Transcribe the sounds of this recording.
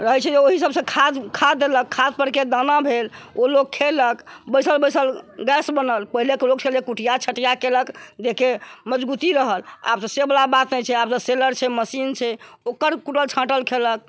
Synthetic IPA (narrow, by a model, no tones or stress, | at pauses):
ɾəɦɛt͡ʃʰɛd͡ʒeoɦisəbsə̃kʰad̪kʰad̪eləkʰːad̪̚pəɾked̪anabʱelolok̚kʰːeləkbəjsəlbəsəlɡɛsbənəlpəɦilekelok̚t͡ʃʰelekuʈʰijat͡ʃʰəʈijakeləkd̪ekeməd͡ʒbut̪iɾəɦəla̰p̚t̪ɔsebəlabat̪nɛt͡ʃʰɛap̚t̪ɔseləɾt͡ʃʰɛməsint͡ʃʰɛokəɾkuʈəlt͡ʃʰãʈəlkʰelək̚